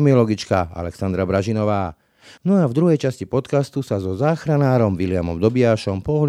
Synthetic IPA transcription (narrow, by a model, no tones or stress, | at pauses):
miɔlɔɡit͡ʃka̰a̰lɛksand̪ɾabɾaʒinɔʋaː | nɔavd̪ɾuɦɛjt͡ʃascipɔt̪kast̪usazɔzaːxɾanaːɾɔmʋilɪamɔ̰md̪ɔbiaːʃɔmpɔɦl